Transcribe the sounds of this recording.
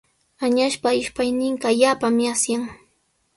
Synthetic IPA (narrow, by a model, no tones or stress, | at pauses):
aɲaʃpaɪʃpajnɪɴqɑaʎaːpamasjaŋ